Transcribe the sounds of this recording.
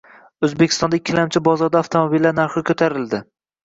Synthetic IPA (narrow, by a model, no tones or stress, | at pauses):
ɵzbekʰʲɪ̥st̪ɒnd̪aɪkʲʰːɪlamt͡ʃʰɪbɒzɒɾd̪aːft̪ʰomobilːaɾnaɾχɪkʰɵt̪ʰaɾɪld̪ɪ